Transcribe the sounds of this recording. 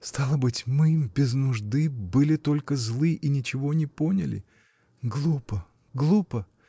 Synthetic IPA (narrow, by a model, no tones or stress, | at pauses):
st̪alˠəbɨtʲmɨbʲɪznʊʐd̪ɨbɨlʲɪt̪o̞lʲkəzlˠɨʔinʲɪt͡ɕɪvo̞nʲɪponʲɪ̰lʲɪ̰ | ɡlˠupə | ɡlˠupə